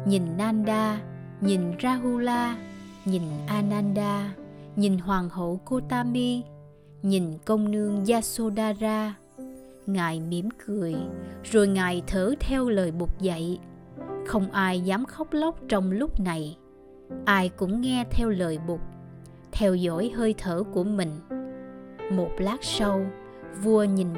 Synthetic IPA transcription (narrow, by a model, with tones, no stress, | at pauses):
ɲi˨˩nːaː˧nɗaː˧ | ɲi˨˩nzaː˧ɦu˧laː˧ɲi˨˩nʔaː˧naː˧nɗaː˧ | ɲi˨˩nɦwaː˨˩ŋho̰˧˨ko˧t̪aː˧mi˧ | ɲi˨˩nkə˧wŋ͡mnɨ˧əŋzaː˧so˧ɗaː˧zaː˧ | ŋaː˨˩jmi˧˩˥əmkɨ˨˩əjzo˨˩jŋaː˨˩jt̪ʰəː˧˩˦t̪ʰɛ˧wləː˨˩jɓʊ˨˩k͡p̚zə̰˧˨j | xə˧wŋ͡mʔaː˧jzaː˨˦mxə˦˥wk͡p̚lə˦˥wk͡p̚t͡ɕɔ˧wŋ͡mlʊ˦˥k͡p̚na˨˩j | ʔaː˧jkʊ̰˧˥ŋ͡mŋɛ˧t̪ʰɛ˧wləː˨˩jɓʊ˨˩k͡p̚ | t̪ʰɛ˧wzɔ̰˧˥jɦəː˧jt̪ʰəː˧˩ku˧˩əmï˨˩ŋ̟ | mo˨˩t̚laː˦˥k̚sə˧w | vu˧əɲi˨˩n